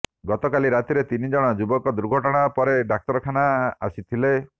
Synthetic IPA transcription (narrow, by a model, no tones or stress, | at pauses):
ɡɔt̪ɔkaliɾat̪iɾet̪inid͡ʒɔɽ̃ɔd͡ʒubɔkɔd̪uɾɡʱɔʈɔɽ̃apɔɾeɖak̚t̪ɔɾɔkʰanaasit̪ʰile